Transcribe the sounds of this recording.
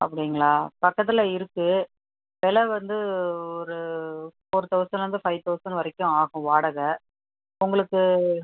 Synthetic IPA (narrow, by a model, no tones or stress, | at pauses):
ʔɐpːɐɽɪŋɡɐɭaːpɐkːɐt̪̬ːɪlɐɪɾɯkːɯ | ʋɛlɐʋɐnd̪ɯɔɾɯpoːɾɯt̪ɐʋsɐ̃ɾɐɯnd̪ɯfɐɪt̪ɐʋsɐnʋɐɾɛkːʊ̃aːɣʊ̃ʋaːɽɐɣɐ | ʊŋɡɐɭɯkːɯ